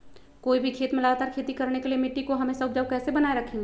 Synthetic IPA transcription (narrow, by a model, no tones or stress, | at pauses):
koːibʱikʰeːt̪mẽləɡat̪aːɾkʰeːt̪ikɐɾnekeliemɪʈːikoɦɐmẽsɐbd͡ʒəbkɛːsebɐnaːeɾɐkʰẽːŋɡeː